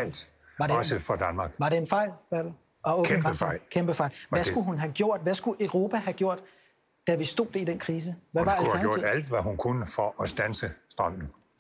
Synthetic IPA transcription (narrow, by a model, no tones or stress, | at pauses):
l̰d̥ | ʋɑ̈deɒsəfɒd̥ænmɑ̈ːɡ̥ʋɑ̈ɾeenfɑ̈ɪ̰lb̥æ̥l̩ | ʔɒɔmɡʁəfɑɪ̰lkʰemb̥əfɑ̈ɪlʋæsɡ̥uɦunɦæɡ̥jo̝ɐ̰d̥ʋæsɡ̥uʔøʊʁo̝pʰæhæɡ̥jo̝ɐ̰d̥ | d̥æʋisd̥o̝̰ðd̥eid̥enkʰʁiːs̬əʋæʋɑ̈esɡjo̰̥æl̰d̥ʋæɦunkʰunəfɒʔsd̥ænsəsd̥ʁɑ̈m̰n̩